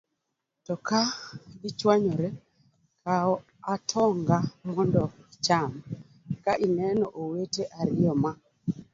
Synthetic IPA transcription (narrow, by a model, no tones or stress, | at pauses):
tɔkaɡit͡ʃwaɲɔɾɛ | kaɔ | atʰɔŋɡamɔndɔit͡ʃam | kaʔinɛnɔʔoweteʔaɾiɔma